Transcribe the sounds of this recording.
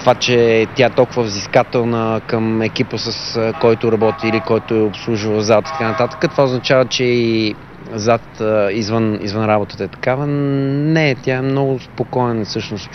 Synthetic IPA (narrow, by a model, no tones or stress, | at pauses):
t̪ovat͡ʃɛt̪ʲjaɛt̪ɔlˠkʊvəvziskat̪ɛlˠnəkəmɛkipəsəskɔjt̪ʊɾɐbɔt̪iːlikɔjt̪ʊɛopslˠuʒuvəzat̪i̥t̪ɐ̥kanɐt̪at̪ə̥kət̪vaoznɐt͡ʃavət͡ʃɛi | zat̪izvənḭzvənɾabot̪ə̥t̪əɛt̪ɐ̥kavənɛt̪ʲjaɛmnɔɡʊspokɔɛnəfsɤʃnost̪